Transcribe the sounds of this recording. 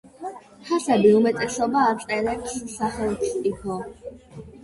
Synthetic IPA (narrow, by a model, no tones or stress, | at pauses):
hʰasɛbiumɛt̪ʼɛsɔbaːt̪sʼɛɾɛpʰssaχɛlˠt̪ʰsʼikʰɔ